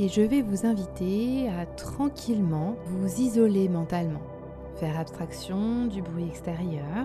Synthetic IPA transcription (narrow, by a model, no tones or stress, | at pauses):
eʒəvɛvuzɛ̃vit̪eat̪χɑ̃kʲʰilmɑ̃vuzizɔlemɑ̃t̪almɑ̃ | fɛʁapst̪χaksjɔ̃d̪ybʁɥiɛkst̪eʁjœːʁ